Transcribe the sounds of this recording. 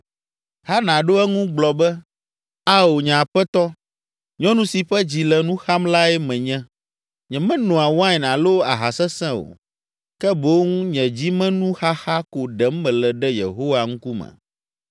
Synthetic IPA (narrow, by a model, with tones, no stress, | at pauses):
ha˦nã˨ɖo˦ɛ˦ŋũ˦ɡ͡blɔ˨bɛ˦ | a˦o˨ɲã˨ɸɛ˦t̪ɔ˦ | ɲɔ̃˦nũ˦si˨ɸɛ˦d͡ʑi˨lɛ˨nũ˦xa˦mla˦ɛ˦mɛ̃˨ɲɛ̃˦ | ɲɛ̃˨mɛ̃˦nɔ̃˨a˨wã˦ɛ˨nã˨lo˦a˨ɦa˨sɛ˦sɛ̃˦o̰˨ | kɛ˦bo˦wŋũ˦ɲɛ̃˨d͡ʑi˦mɛ̃˦nũ˦xa˦xa˦ko˨ɖɛ˨˦m˦mɛ̃˨lɛ˨ɖɛ˦jḛ˨ɦo˦wa˨ŋũ˦ku˦mɛ̰̃˨